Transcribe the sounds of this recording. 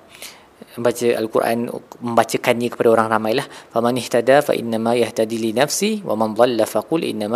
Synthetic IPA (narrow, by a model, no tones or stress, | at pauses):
bat͡ʃəʔa̰lkurʔa̰nmə̃mbat͡ʃəkanɲãkə̥padaoɾaŋramãjlahfamanɪht̪adafa̰ʔḭnːamajaht̪ad̪ilinafsiwʔa̰mand̪ˤɑlːafaqʊlʔɪ̰nːam